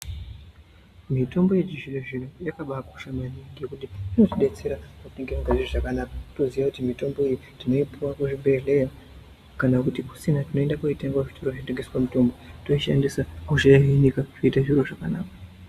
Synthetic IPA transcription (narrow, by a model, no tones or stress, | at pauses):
mito̞mbo̞jet͡ʃiʐireʐinujakaɓakoʃamaniŋɡikutiino̞tiɗet͡seɾapateŋɡiaŋɡaʐiroʐakanaːkḁto̞ziʋakutimito̞mboiji | tino̞ipʰuwakuʐiɓʱe̞ɮe̞ja | kanakutiku̥sinatino̞e̞ndakoitaŋɡaʐitʰoɾoʐiteɡeswamuto̞mbo̞toiʃa̰ndisakuʐeɦinikaʐ̥oitaʐiɾoʐakanaːkḁ